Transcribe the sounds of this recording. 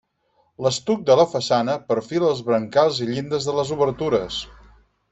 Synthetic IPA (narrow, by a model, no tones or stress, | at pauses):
ləst̪uk̚d̪ələfəsanəpəɾfiləzβɾəŋkalˠziʎind̪əzðələzuβəɾt̪uɾəs